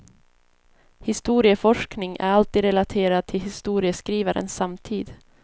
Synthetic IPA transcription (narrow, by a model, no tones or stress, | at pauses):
hɪst̪uːɾɪəfɔʂknɪŋæ̰ɾalt̪iːd̪ɾɛlat̪ʰeːɾad̪̚t̪ʰɪlɦɪst̪uːɾɪəskɾiːvaɾə̰nsːamt̪ʰiːd̪